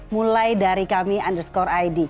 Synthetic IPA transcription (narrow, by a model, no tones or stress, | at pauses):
mulajdaɾikamiandərskɔɾajdi